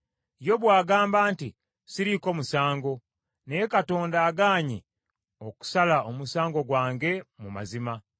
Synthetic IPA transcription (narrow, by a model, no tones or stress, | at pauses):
jo̞βwaːɡaːmbaːnti | siɾiko̞musaːŋɡo̞ | nekato̞ːndaːɡaːɲi | o̞ku̥salaʔomusaːŋɡo̞ɡwaːŋɡe̞muma̰zima